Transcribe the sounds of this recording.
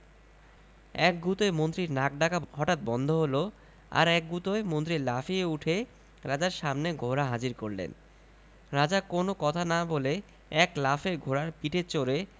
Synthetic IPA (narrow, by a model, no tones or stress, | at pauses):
ɛk̚ɡut̪oemont̪ɾiɾnak̚ɖakaɦɔʈat̪̚bɔnd̪ʱoɦolo | a̰ɾɛk̚ɡut̪oemont̪̬ɾiɾlafieuʈʰe | ɾad͡ʑaɾʃamneɡʱoɾaɦad͡ʑiɾkoɾlḛn | ɾad͡ʑakonokɔt̪ʰanabole | ɛklafeɾɡʱoɾaɾpiʈʰet͡ɕoɾe